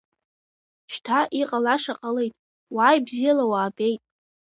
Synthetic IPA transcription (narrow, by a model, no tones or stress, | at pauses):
ʃtʰaʔiqʼalaʂaqʼale̞jtʼ | waːjbzijalawaːbʼejtʼ